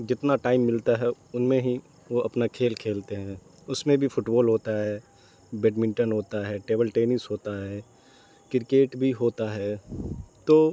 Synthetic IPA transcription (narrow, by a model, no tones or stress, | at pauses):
d͡ʒɪt̪naʈaːɪmːɪlt̪aɦɛʊnmẽɦi | ʋoʔɐpnakʰeːlkʰeːlt̪eɦɛ̃ː | ʊsmẽbʱifʰʊʈboːlɦoːt̪aɦɛː | beːɖmɪ̃ɳʈənɦoːt̪aɦɛːʈeːbəlʈeːnɪsɦoːt̪aɦɛː | kɪɾkeːʈbʱiɦoːt̪aɦɛːt̪oː